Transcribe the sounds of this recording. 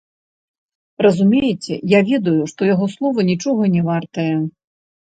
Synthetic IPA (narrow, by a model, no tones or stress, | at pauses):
rɐzumʲejɛt͡sʲɛ̰javʲɛd̪ujuʂt̪ɔjaɣɔslˠɔvɐnʲit͡ʂɔɣɐnʲɛvart̪ɐjɐ